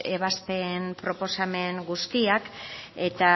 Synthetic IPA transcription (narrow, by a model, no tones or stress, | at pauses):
e̞β̞asp̪e̞mpɾo̞po̞same̞ŋɡust̪iake̞t̪a